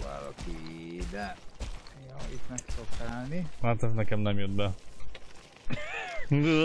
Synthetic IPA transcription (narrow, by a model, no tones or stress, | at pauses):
a̰ːɾɔ̰kid̪ɛ | joit̪mɛksokaalnihat̪ɛznɛkɛmnɛmjød̪̚bɛ